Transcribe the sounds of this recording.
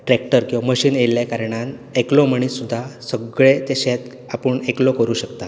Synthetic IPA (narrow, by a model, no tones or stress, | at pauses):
ʈɾekʈəɾkĩwʋaməɕiːnelːjakaɾɳ̃aneklɔməɳ̃iːssud̪ʱːasəɡɭet̪eɕet̪ | apəɳeklɔkəɾuːɕəkt̪a